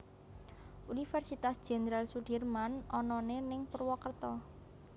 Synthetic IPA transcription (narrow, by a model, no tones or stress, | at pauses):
ʔunifɛrsit̪asd̥ʒ̥e̤nəɾalsuɖ̥irmanɔnɔnenɪŋpərwɔkərt̪ɔ